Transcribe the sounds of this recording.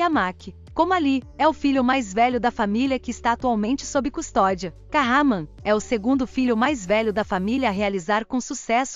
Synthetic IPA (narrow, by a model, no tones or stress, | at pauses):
amakɪ | kõmʊaliɛʊfiʎʊmajzvɛʎʊd̪ɐfamiliɐkɪːst̪aːt̪uawmẽnt͡ʃɪ̥sobɾɪkust̪ɔd͡ʒiɐ | kaɦamɐ̃ | ɛʊseɡũnd̪ʊfiʎjʊmajzvɛʎʊd̪ɐfamiliɐːɦealizaɾkõsusɛsʊ